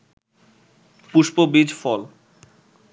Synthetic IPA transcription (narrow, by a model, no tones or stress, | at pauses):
puʃpobid͡ʑfɔl